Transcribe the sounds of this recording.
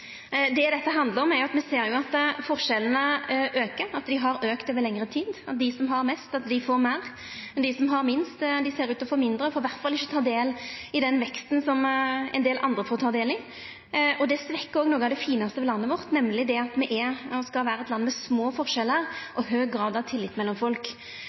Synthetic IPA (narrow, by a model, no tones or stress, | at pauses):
d̪ɛd̪ɛt̪ːəɦɑnd̪ləɾɔmɛɾjʊɑt̪mɛseːɾjʊɑt̪fɔʁʂɛlənəʔøːkəɾɑt̪d̪ɪɦɑɾøːkt̪ɛʋəlɛŋɾət̪ʰiːd̪ɑt̪̚d̪ɪsɔmɦɑɾmɛst̪ɑt̪̚d̪ɪfoːɾmæʁ | ɛnd̪ɪsɔmɦɑɾmɪnst̪d̪ɪseːɾʉːt̪ɔfoːmɪnd̪ɾəfoːɾʋæɾt̪fɑlɪçːət̪ʰɑːd̪eːlɪd̪ɛnʋɛkst̪nsɔmɛ̰nd̪eːlʔɑ̰nd̪ɾəfɔːʁt̪ʰɑːd̪eːlɪ | ʔɔd̪ɛsʋɛkːəɾoːɡnoːɡəɑʋd̪ɛfiːnɑst̪əʋɛlɑnːəʋɔʁt̪nɛmːlɪd̪ɛɑt̪mɛʔɛɔskɑʋæːɾəɛt̪lɑnːmɛsmoːfɔʁʂɛlːəʁʔɔɦøːɡɾɑːd̪ɑʋt̪ʰɪlːɪt̪mɛlːɔmfɔlk